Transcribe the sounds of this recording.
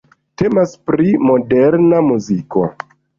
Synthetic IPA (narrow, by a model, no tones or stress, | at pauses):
te̞maspɾimo̞deɾnamuziko̞̰